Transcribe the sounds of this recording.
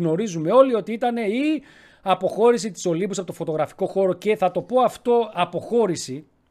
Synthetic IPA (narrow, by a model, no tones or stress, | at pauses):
no̞ɾizume̞o̞lio̞t̪iit̪ɐne̞i | ɐpo̞xo̞ɾisit̪i̥so̞libusɐpot̪ofo̞t̪o̞ɣɾɐfi̥ko̞xo̞ɾo̞ce̞θɐt̪o̞po̞ɐft̪o̞ɐpo̞xo̞ɾisi